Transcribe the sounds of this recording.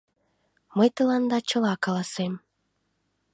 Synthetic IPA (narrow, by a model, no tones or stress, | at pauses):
məjt̪ə̆lɑnd̪ɑt͡ɕəlɑkɑlɑsem